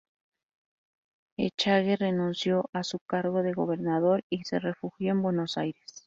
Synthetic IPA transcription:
ḛt͡ʃaɣerenũnsjoʔasukaɾɣoðe̞ɣoβe̞ɾnaðoɾisere̞fuxjoembwenosajɾes

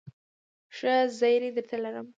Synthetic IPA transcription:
ʂəzəjɾed̪əɾt̪alaɾəm

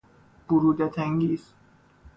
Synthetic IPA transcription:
b̥uɾuːd̪et̪ʰæŋɡiːs

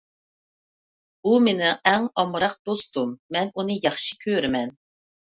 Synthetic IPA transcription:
b̥umɪnɪɛŋɑmɾɑq̚d̪ost̪umːɛnunɨjɑχʃi̥kʲʰøɾmɛn

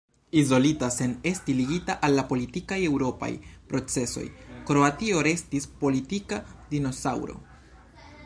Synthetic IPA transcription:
izo̞litase̞ne̞stiliɡitaʔalːapo̞litikaje̞wɾo̞pa̰jpɾo̞t͡se̞so̞̰jkɾo̞atio̞ɾe̞stispo̞litikadino̞sawɾo̞̰

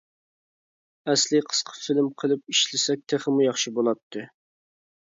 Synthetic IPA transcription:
ɛslɪqʰə̥sqʰə̥filmqʰəlˠɨp̚iʃlɪsɛk̚ʲt̪ʰeχəmujɑχʃibolˠɑt̪ʰːɨ

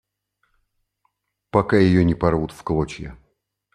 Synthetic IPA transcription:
pɐkajɪjonʲɪpɐrvut̪fklˠot͡ɕjə̰

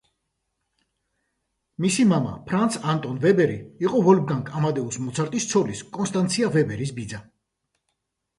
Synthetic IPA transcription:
misimama̰pʰɾant̪sʰant̪ʼɔnvɛbɛɾiiqʼɔvɔlb̚ɡaŋkʰʼamad̪ɛusmɔt̪sʰaɾt̪ʼist̪sʰɔliskʼɔnst̪ʼant̪sʰiavɛbɛɾis̬bid̪za

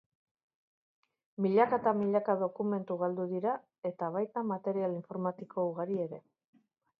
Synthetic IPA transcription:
miʎakat̪amiʎakaðo̞kume̞nt̪uɣald̪uðiɾa | e̞t̪aβajt̪amat̪e̞ɾialiɱfo̞ɾmat̪ikʰo̞uɣaɾie̞ɾe̞

